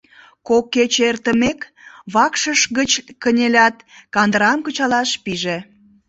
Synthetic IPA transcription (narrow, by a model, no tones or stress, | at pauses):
kokːet͡ɕert̪əmek | βɑkʃəʃɣət͡ɕkənʲelʲɑt̪kɑnd̪əɾɑmkət͡ɕɑlɑʃpiʒe